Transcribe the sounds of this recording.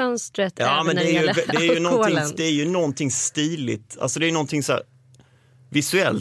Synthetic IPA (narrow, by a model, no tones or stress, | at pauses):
œnst̪ɾət̪ɑːmɛnɛæɾjɵvɛd̪ɛæɾjɵnɔntɪŋd̪ɛæɾjɵnɔnt̪ʰɪŋst̪iːlɪ̰t̪a̰lsɔd̪ɛɾjʏnɔnt̪ʰɪŋsɔæ̰ː | vɪsɵɛl